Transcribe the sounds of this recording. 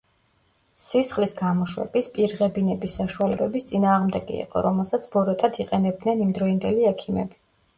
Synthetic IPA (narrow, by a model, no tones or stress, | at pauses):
sisχlisɡamɔʃwɛ̰bispʼiɾʁɛbinɛbisːaʃualɛbɛbist̪sʼinaːʁmd̪ɛɡḭḭqʼɔ̰ɾɔmɛlˠsat̪sʰbɔɾɛt̪ʼad̪iqʼɛnɛb̚d̪nɛnimd̪ɾɔind̪ɛliɛkʰimɛbi